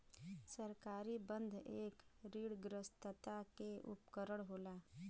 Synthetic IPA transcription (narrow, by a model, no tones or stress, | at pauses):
səɾkaːɾibə̃nd̪ʱeːkɾiːɽɡɾəst̪ət̪akeʔʊ̰pkəɾəɽ̃ɦoːlaː